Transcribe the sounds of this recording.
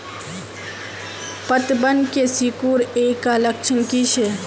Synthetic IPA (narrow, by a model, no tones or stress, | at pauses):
pət̪bənkesikuːɾeːkaləkt͡ʃʰənkiʃe